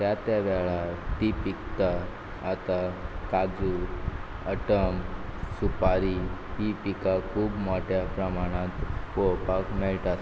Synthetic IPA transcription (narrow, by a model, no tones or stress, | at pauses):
t̪jat̪jaʋɛɭat̪ipikt̪aː | t̪akad͡zu | əʈəmsupaɾiɦipikakʰuːbmɔʈjapɾəmaɽ̃ãt̪koɭpakmɛɭʈat̪